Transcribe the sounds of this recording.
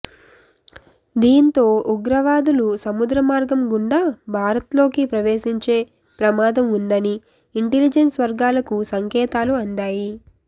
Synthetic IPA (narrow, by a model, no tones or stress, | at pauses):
d̪iːnt̪o̞ːʔuɡɾɐʋaːd̪ulusɐmud̪ɾɐmaːɾɡɐmɡuɳɖabʱaːɾɐt̪lo̞ːkipɾɐʋeːʃiɲt͡ʃe̞ː | pɾɐmaːd̪ɐmund̪ɐniː | ɳʈelid͡ʒensʋɐɾɡaːlɐkusɐŋkɛːt̪aːluɐɳɖ̪aːji